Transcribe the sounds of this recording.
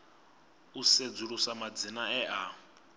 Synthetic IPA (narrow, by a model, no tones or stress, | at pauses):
used͡zuɺusamad͡zinaɛʔa